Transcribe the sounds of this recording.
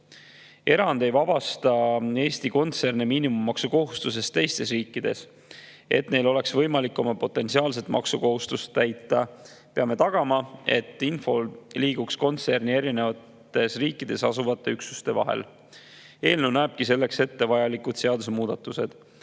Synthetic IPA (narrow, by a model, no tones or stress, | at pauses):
e̞ɾɑnd̪̥e̞jvɑb̥ɑst̪ɑe̞ːst̪iko̞nt̪se̞rnemiːnimumːɑksuko̞ɦust̪us̬e̞st̪t̪e̞jst̪e̞s̬riːkˑːid̪̥e̞̰s | e̞̰t̪ːne̞jlo̞le̞ksvɤ̞jmɑlikːˑo̞mɑpo̞t̪ːˑe̞nsiɑːlset̪ˑmɑ̰ksuko̞ɦust̪ust̪ːæjt̪ːˑɑ | pe̞ɑme̞t̪ɑɡ̥ɑmɑe̞t̪ːˑinfo̞liːɡ̥uksko̞nt̪sernie̞ɾine̞vɑt̪ːe̞sriːkːˑid̪̥e̞sɑsuvɑt̪ˑːe̞yksu̥st̪e̞vɑ̰ɦḛl | e̞ːlnunæːb̥̚kise̞lːe̞kse̞t̪ːe̞vɑjɑlikːud̪̥seɑd̪usmuːd̪̥ɑt̪ːˑuse̞d̪̥